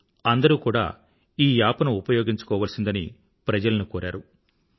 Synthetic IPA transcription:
ɐnd̪ɐɾuːkuːɽa̰ː | iːjaːpɐnɐupɐjoːɡiɲt͡ʃu̥kɔːʋaːlsind̪ɐni | pɾɐd͡ʒɐlɐnukoːɾa̰ːɾu

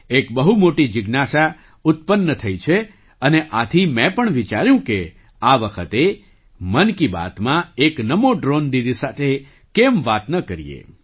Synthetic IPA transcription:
ekbəɦumoʈid͡ʒɪɡnasa | ʊt̪̚pənːət̪ʰəjt͡ʃʰe | əneʔat̪ʰimɛ̃pəɳʋit͡ʃaɾjũke | aʋəkʰət̪e | mənkiba̰t̪mãeknəmoɖɾond̪id̪isat̪ʰe | kemʋat̪nəkəɾḭjḛ

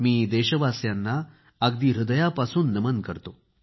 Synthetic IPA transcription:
miːd̪eɕəʋasjanːaː | ɡd̪iːɾud̪əjapasuːnːəmənkəɾt̪o

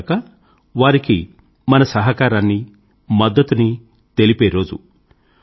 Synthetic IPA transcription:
kɐ | ʋaːɾiki | mɐnɐsɐɦɐkaːɾaːnːi | mɐd̪ːɐt̪uni | t̪e̞lipeːɾo̞ːd͡ʒṵ

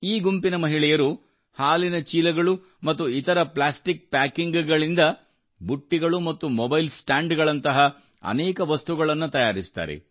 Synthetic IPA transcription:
iːɡumpinɐmɐɦiɭɛjɐɾu | haːlinɐt͡ʃiːlɐɡɐɭu | mɐt̪ːuit̪ɐɾɐplaːsʈik̚paːkiŋɡɡɐɭind̪ɐ | buʈːiɡɐɭumɐt̪ːumɔbɐjlsʈaːɳɖɡɐɭɐnt̪ɐɦɐ | ɐ̰nɛːkɐʋɐst̪uɡɐɭɐnːut̪ɐjaːɾist̪a̰ːɾḛ

